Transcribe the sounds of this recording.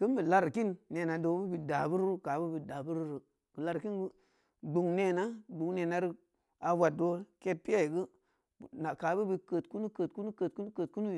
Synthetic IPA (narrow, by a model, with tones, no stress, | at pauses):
kə˦mbə˨la˧ɾki˦nːe˨na˨do˨˦bu˦bi˧da˨bu˦ɾɾka˨bə˦bi˨da˨bu˦ɾɾə˨ | kə˨la˨ɾki˦nɡə˦ | ɡ͡bu˨ŋne˨na˦ɡ͡bu˨ŋne˨na˨˦ɾi˦ | a˨wa˨t̚do˦ke˦pi˦ja˦˨i˨ɡə˦˨ | na˨ka˨˦bə˦bi˧kə˨tku˦nu˦kə˨t̚ku˦nu˦kə˨t̚ku˦nu˦kə˨t̚ku˦nu˦i˨